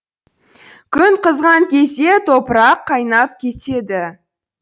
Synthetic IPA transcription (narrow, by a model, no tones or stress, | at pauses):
kʲʰʏŋqəzʁɑŋkʲʰe̞se̞t̪ʰopəɾɑqʰːɑjnɑp̚kʲʰe̞t̪e̞d̪ɪ